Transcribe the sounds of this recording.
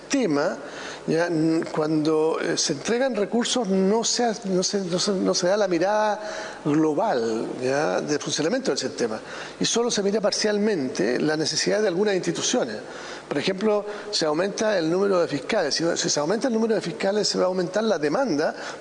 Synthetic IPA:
t̪ema | jankwand̪oeseːnt̪ɾeɣanrekuɾsosnoseanosenosenoseðalamiɾaða | ɣloβaljad̪elfunsjonamje̞nt̪oðelsiht̪ema̰ | iso̞lose̞miɾapaɾsjalmẽ̞nt̪ḛlanesesiðaðealɣunasint̪it̪usjones | poɾexe̞mplo | seawmẽ̞nt̪aelnũmeɾoðefihkalesːiasiseawment̪aelnumeɾoðefihkalesːeβaːwme̞nt̪aɾlaðemãnd̪a

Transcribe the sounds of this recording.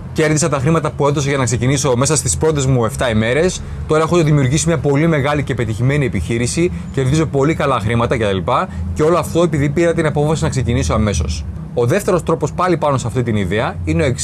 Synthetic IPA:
ce̞ɾðisɐt̪ɐxɾimɐt̪ɐpue̞ðo̞seʝɐnɐkse̞ciniso̞me̞sɐst̪ispɾo̞t̪e̞zmue̞ft̪ɐime̞ɾe̞s | t̪o̞ɾɐexo̞ðimiuɾʝisimɲɐpo̞lime̞ɣɐlice̞pe̞t̪içime̞niepiçiɾisi | ce̞ɾðizo̞po̞likɐlɐxɾimɐt̪ɐce̞t̪ɐlipɐce̞o̞lo̞ɐft̪o̞e̞piðipiɾɐt̪inɐpo̞fɐsinɐkse̞ciniso̞ɐme̞so̞s | o̞ðeft̪e̞ɾo̞st̪ɾo̞po̞spɐlipɐnoseɐft̪it̪iniðe̞ɐineoeks

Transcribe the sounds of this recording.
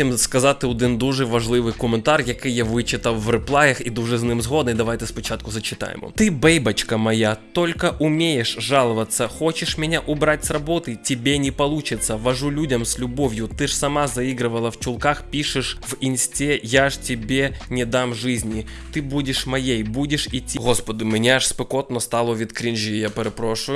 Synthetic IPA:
ɪmskɐzat̪ːɨʊd̪ɨnd̪uʐɨvɐʐlˠɨvɨkʊmʲɪnt̪arjɐkɨjjavɨt͡ɕɪt̪əwvrɨplˠajɐxid̪uʐɨznɨmzɣo̞d̪nɨd̪ɐvajt̪ɨspʲɪt͡ɕːat̪̚kʊzət͡ɕɪt̪a̰jɪ̰m̰t̪ɨbejbɐt͡ɕkəmɐjatt̪o̞lʲkəʔʊmʲejɪʂʐalˠəvət̪sːəxo̞t͡ɕɪʂmʲɪnʲaʔʊbɾatʲsrɐbo̞t̪ɨtʲɪbʲenʲɪpɐlˠut͡ɕɪt̪səvɐʐulʲudʲɐmsʲlʲʊbovʲjʊt̪ɨʐsɐmazɐiɡɾɨvəlˠəft͡ɕʊlˠkaxpʲiʂɨʂvɪnsʲtʲejaʐtʲɪbʲenʲɪd̪amʐɨzʲnʲɪ | t̪ɨbudʲɪʂmɐjejbudʲɪʂitʲːiɣo̞spəd̪ɨmʲɪnʲaʂspɨkot̪nɔst̪alˠovʲit̪kɾʲinʒijapʲɪɾɨpɾoʂʊjʊ

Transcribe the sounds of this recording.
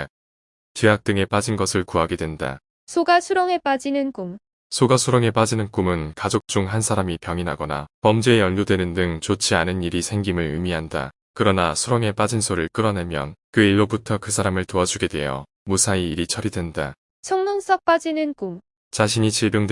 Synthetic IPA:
t͡ɕeak̚t͈ɯŋe̞p͈ad͡ʑinɡʌsʰɯɭkuɦaɡe̞dwe̞nda̰ | sʰoɡasʰuɾoŋe̞p͈ad͡ʑinɯnkum | sʰoɡasʰuɾoŋe̞p͈ad͡ʑinɯnk͈umɯnkad͡ʑok̚t͡ɕ͈uŋɦansʰaɾamipjʌŋinɦaɡʌna̰pʌmd͡ʑeejʌʎːodwe̞nɯndɯŋt͡ɕot͡ɕʰianɯniɾisʰe̞ŋɡimɯɭɯ̰miɦanda̰ | kɯɾʌnasʰuɾoŋe̞p͈ad͡ʑinsʰoɾɯɭk͈ɯɾʌnemjʌ̰nkɯiɭːobutʰʌkɯsʰaɾamɯɭtoad͡ʑuɡe̞dwe̞̰jʌ̰ | musʰaiːɾit͡ɕʰʌɾidwe̞nda | sʰʌŋnoŋs͈ʰʌk̚p͈ad͡ʑinɯnk͈um | t͡ɕaɕʰiɲit͡ɕiɭbjoŋd

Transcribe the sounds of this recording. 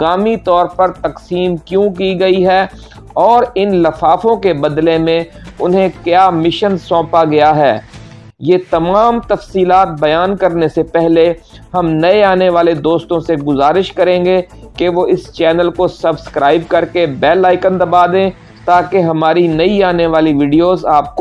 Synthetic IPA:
kaːmit̪ɔːɾpɐɾt̪ɐqsiːmkjõːkiɡɐiɦɛː | ɔːɾɪnlɐfaːfõkebɐd̪lemẽʊnɦẽkjaːmɪʃənsɔ̃ːpaɡɐjaɦɛː | jeːt̪ɐmaːmt̪ɐfsiːlaːt̪̚bɐjaːnkɐɾnesepɛɦle | ɦɐmnɐeaːneʋaːled̪oːst̪õseɡʊzaːɾɪʃkɐɾẽːɡe | keʋoɪst͡ʃɛːnəlkosɐbskɾaːɪb̚kɐɾkebɛːlːaːɪkə̃nd̪ɐbaːd̪ẽː | t̪aːkeɦɐmaːɾinɐiaːneʋaːliʋiːɖijoːzaːp̚k

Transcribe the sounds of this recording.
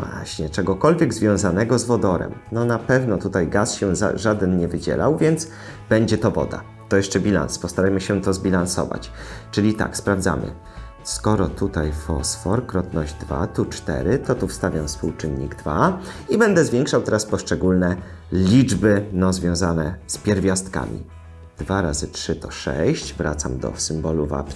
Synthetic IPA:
vwa̰ɕɲɛt͡ʂɛɡɔkɔlvʲjɛɡzvʲjɔ̃w̃zanɛɡɔzvɔd̪ɔɾɛ̰mnɔnapɛvnɔt̪ut̪ajɡasɕɛza̰ʐad̪ɛnɲɛvɘd͡ʑɛ̰la̰wvʲjɛnd̪z | bɛɲd͡ʑɛt̪ɔvɔ̰d̪a̰ | t̪ɔjɛʂt͡ʂɛbʲila̰nspɔst̪aɾajmɘɕɛt̪ɔzbʲilansɔ̰va̰t͡ɕt͡ʂɘlʲit̪a̰kspɾavd̪za̰mɘ̰ | skɔɾɔt̪ut̪ajfɔ̰sfɔɾkɾɔt̪nɔʑd̪va̰t̪ut͡ʂt̪ɛ̰ɾɘt̪ɔt̪ufst̪avʲjamspuwt͡ʂɘnːiɡd̪vaibɛnd̪ɛzvʲjɛŋkʂawt̪ɛɾaspɔʂt͡ʂɛɡulnɛ | lʲid͡ʐbɘnɔzvʲjɔ̃w̃zanɛspʲjɛɾvʲjast̪ka̰mʲḭ | d̪vaɾazɘtʂɘt̪ɔʂɛ̰ɕɕt͡ɕvɾa̰t̪samd̪ɔ̰sɘmbɔluva̰p

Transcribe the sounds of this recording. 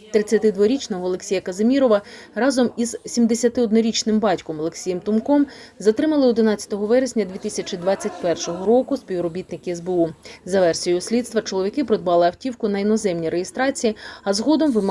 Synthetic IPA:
t̪ɾɪt͡sʲːɐt̪ɪd̪ʋɔɾʲit͡ʃnɐɦɔːlˠeksʲijɐkɐzɐmʲiɾɔʋɐrɑzɔmizsʲimd̪esʲɐt̪ɪɔd̪nɔɾʲit͡ʃnɪmbɑtʲkɔmɔlˠeksʲijɛmt̪ʊmkɔmzɐt̪ɾɪmɐlˠɪɔd̪ɪnɑtt͡sʲɐ̥t̪ɔɦɔʋɛɾesʲnʲɐd̪ʲʋʲit̪isʲɐt͡ʃɪd̪ʋɑt͡sʲːɐt̚ʲpɛrʃɔɦɔɾɔkʊsʲpʲiwɾɔbʲit̪nɪkʲɛzbeuzɐʋɛrsʲijʊsʲlʲid̪st̪ʋɐt͡ʃɔlˠɔʋʲikɪpɾɔd̪̚bɑlˠɪɐwtʲiwkʊnɐinɔzɛmnʲiɾejest̪ɾɑt͡sʲijiɐzɦɔd̪ɔmʋɪm

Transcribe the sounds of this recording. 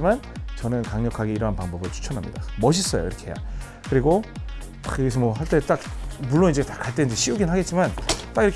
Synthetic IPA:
imant͡ɕʌnɯnkaŋɲʌkʰaɡe̞iɾʌɦanpaŋbʌbɯɭt͡ɕʰu̥t͡ɕʰʌnɦamɲḭda̰mʌɕ̬ʰis͈ʌjo̰ḭɾʌkʰe̞ɦeja̰ | kɯɾiɡo | a̰kɯɡesʰʌmwʌɦaɭt͈e̞t͈ak̚muɭːonid͡ʑetḁkaɭt͈e̞nnd͡ʑeɕʰiuɡinɦaɡet̚t͡ɕ͈imant͈aɡiɾʌk

